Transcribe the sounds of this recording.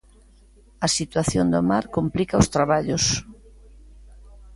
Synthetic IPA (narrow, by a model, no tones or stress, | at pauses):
ɐsit̪waθjond̪omaɾkomplikaost̪ɾaβaʎos